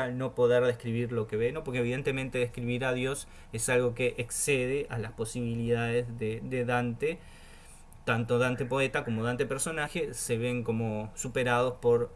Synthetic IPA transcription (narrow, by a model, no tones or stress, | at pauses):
ano̞po̞ðeɾðe̞hkɾiβiɾlo̞keβeno̞po̞ɾkeβiðe̞nt̪e̞mẽnt̪e̞ðehkɾiβiɾaðjo̞s | esalɣo̞keʔekseðe̞ʔalaspo̞siβ̞iliðaðezðeðeðant̪e | t̪ant̪oðant̪e̞po̞et̪ako̞mo̞ðant̪epeɾso̞naxe̞se̞βe̞ŋko̞mosupeɾað̞o̞spo̞ɾ